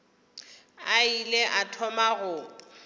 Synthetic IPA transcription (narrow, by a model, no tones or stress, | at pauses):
aileʔatʰɔmaɣʊ